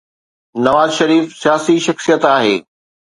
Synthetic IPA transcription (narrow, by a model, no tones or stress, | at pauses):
nɐʋaːzʃɐɾiːfsijaːsiʃɐxsijət̪aːɦḛː